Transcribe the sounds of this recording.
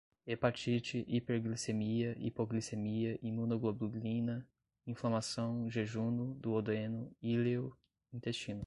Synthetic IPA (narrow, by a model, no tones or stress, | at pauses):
epat͡ʃit͡ʃɪʔipeɾɡlisemiɐʔḭpoɡlisemiɐʔimũnoɡlobluɡlĩnɐ | ĩflamasɐ̃w̃ʒeʒũnʊd̪ʊod̪ẽnʊilew | ĩnt̪est͡ʃĩnʊ